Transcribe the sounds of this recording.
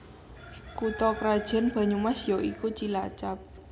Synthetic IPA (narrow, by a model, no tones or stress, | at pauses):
kut̪ɔkɾad̥ʒ̥a̤nb̥ä̤ɲumasjɔikut͡ʃilat͡ʃap̚